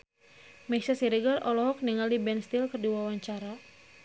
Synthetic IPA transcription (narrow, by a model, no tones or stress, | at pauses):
maisasiɾiɡarɔlɔɦɔk̚niŋaldibɛnst̪ilkərdiwawaɲt͡ʃaɾa